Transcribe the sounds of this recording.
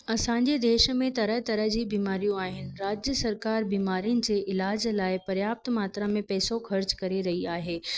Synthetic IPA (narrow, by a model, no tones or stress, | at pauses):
ɐsãːɲd͡ʑed̪eːʃmẽt̪ɐɾəɦt̪ɐɾəɦd͡ʑiːbiːmaːɾijũaːɦɪnɪ̆ɾaːd͡ʑjəsɐɾkaːɾbiːmaːɾijʊnɪ̆d͡ʑeːʔɪlaːd͡ʑlaːɪpɐɾjaːp̚t̪maːt̪ɾəmẽpɛːsoxɐɾt͡ɕkɐɾeɾɐɦiaːɦeː